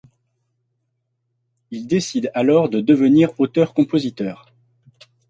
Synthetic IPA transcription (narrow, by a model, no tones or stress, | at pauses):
ild̪esid̪alɔʁd̪əd̪əvəniʁot̪œʁkɔ̃pozit̪œːʁ